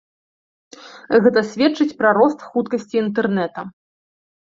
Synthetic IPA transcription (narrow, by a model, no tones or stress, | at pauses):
ɣɛt̪ɐsʲvʲɛtt͡ʂɨt͡sʲpɾaɾɔst̪xut̪kɐsʲt͡sʲiːnt̪̬ɛrnɛt̪ɐ